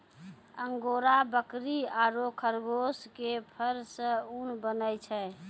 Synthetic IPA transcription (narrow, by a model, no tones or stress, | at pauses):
əŋɡoɾabəkɾiaɾokʰəɾɡoskepʰəɾsə̃unbənət͡ʃʰɛ